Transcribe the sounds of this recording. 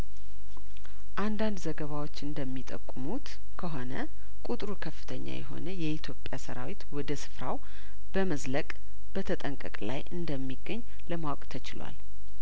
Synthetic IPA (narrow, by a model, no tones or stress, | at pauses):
ʔand̪and̪zəɡəβawot͡ʃːɨnd̪əmːit̪ʼə̰kʼːɨmut̪ | kʰəɦo̞nə | kʼut̪ʼɾukʰəfːɨ̥t̪ʰəɲːa̰jɛ̰ɦo̞̰nəjɛʔit̪ʰjo̞pʼːjasəɾa̰wit̪wɔd̪əsɨ̥fɾaw | b̥əməzləkʼ | b̥ət̪ʰət̪ʼəŋkʼə̰kʼla̰jʔɨnd̪əmːiɡəɲː | ləmawkʼt̪ʰət͡ʃɪlwa̰l